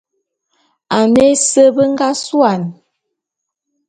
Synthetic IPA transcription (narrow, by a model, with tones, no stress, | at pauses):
a˨ne˦sə˦bə˦ŋ˦ɡa˦swa˨n